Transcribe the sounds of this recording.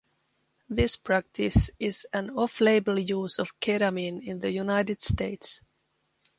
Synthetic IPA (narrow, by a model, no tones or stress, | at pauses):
ðɪspʰɹ̥æk̚tʰɪsɪzɨ̃nɔfleɪbəl̩ˠjuːzɔv̥kʰeɾamĩnɪ̃nðəjunaɪtɨd̥steɪts